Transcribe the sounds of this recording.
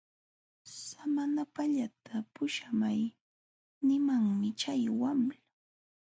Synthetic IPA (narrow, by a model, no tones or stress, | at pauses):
samanapaʎat̪ʰapʊʃamaj | nɪmaŋmɪt͡ʃajwamla